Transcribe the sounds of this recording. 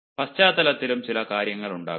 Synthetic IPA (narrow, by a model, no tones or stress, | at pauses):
pɐst͡ɕaːd̪ɐlɐt̪ːilumt͡ɕilɐkaːɾjɐŋːɐɭuɳɖa̰ː